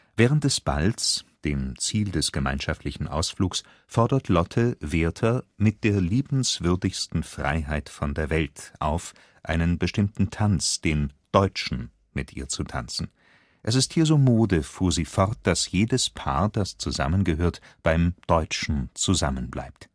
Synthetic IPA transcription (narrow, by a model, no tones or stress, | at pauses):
v̥ɛːʁ̞ənt̚d̥ɛsb̥a̰lsd̥eːmt͡siːldɛsɡ̥əma̰ɪnʃaftʰlɪçn̩ʔa̰ʊsfluːks | fɔɐdɐtʰlɔtʰəveːɐtʰɐmɪt̚d̥eːɐliːbn̩sv̥ʏɐdɪçstn̩fʁ̥a̰ɪɦaɪtfɔndeːɐvɛltʔa̰ʊf | ʔaɪnənbəʃtɪmtn̩tʰant͡sd̥eːmd̥ɔʏt͡ʃn̩ | mɪtʔḭːɐt͡sutʰa̰nt͡sn̩ | ʔɛs̬ɪsthiːɐzoːmoːdəfuːɐziːfɔʁt̚d̥asjeːdəspʰa̰ːɐd̥ast͡suza̰mənɡəɦøːɐtb̥aɪmd̥ɔʏt͡ʃn̩t͡suzamənbla̰ɪp̚t